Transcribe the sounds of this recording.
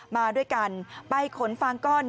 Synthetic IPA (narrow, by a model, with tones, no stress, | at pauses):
maː˧du˥˩əjka˧npa˧jkʰo˩˦nfa˧ŋkɔː˥˩n